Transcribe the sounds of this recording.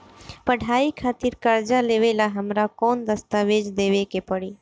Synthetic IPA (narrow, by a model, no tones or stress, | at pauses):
pəɖʱaːikʰaːt̪ɪɾkəɾd͡ʒaleːʋelaɦəmɾakoːnd̪əst̪aʋeːd͡ʒd̪eːʋekepəɽiː